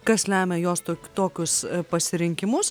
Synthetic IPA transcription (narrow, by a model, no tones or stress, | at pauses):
kɐslʲæːmʲɛjoːst̪ːt̪oːkʲʊspɐsʲɪɾʲɪŋʲkʲɪmʊs